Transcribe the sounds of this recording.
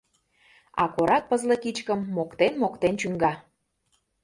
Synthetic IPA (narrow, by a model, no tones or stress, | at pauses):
ɑ̰koɾɑk̚pəzlə̆kit͡ɕkəmːokt̪enmokt̪ent͡ɕyŋɡɑ